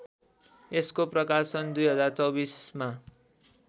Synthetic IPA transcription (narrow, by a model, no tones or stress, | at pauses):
eskoprʌkasʌnd̪ujɦʌd͡zart͡sʌwbisma